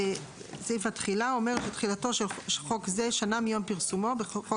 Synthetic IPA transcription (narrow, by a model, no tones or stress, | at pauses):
zifatχilao̞me̞ʁʃet̪χilato̞ʃeχo̞kze̞ʃanamijo̞mpiʁsumo̞beχo